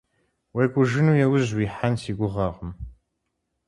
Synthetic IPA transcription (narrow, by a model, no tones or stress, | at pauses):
wejkʷʼʊʒɨnuːjɛwʊzwiːħansiːɡʷʊʁɑːʁəm